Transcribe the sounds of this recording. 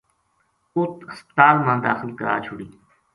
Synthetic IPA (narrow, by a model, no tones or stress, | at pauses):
ʊt̪əspt̪aːlmãːd̪aːxɪlkəɾa̰ːt͡ʃʰʊɽiː